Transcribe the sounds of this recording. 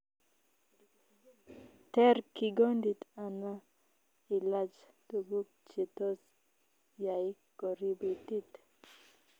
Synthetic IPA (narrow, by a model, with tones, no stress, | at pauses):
t̪e˦ɾki˨ɡo˦nd̪i˨t̪a˨na˦ | i˨lad͡ʒ | t̪u˨ɡu˦k̚t͡ʃi˨t̪o˦s | ja˨i | kɔ˨ɾi˦bi˨t̪i˦t̪